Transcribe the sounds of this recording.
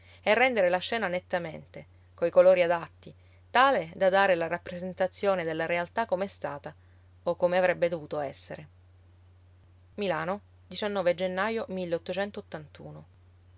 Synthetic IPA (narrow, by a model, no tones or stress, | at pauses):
ɛrːɛnd̪eɾelat͡ʃːɛːnanet̪ːament̪e | koikoloːɾiad̪at̪ːi | t̪aːled̪ad̪aːɾelaɾapːɾezent̪at̪sːjoːned̪elːaɾealt̪akːomeɛst̪aːt̪a | okːomeavɾɛbːed̪ovuːt̪oɛsːeɾe | milaːno | d̪it͡ʃanːɔːved͡ʒenːajomilːeot̪ːot͡ʃɛnt̪oːt̪ːant̪ṵːno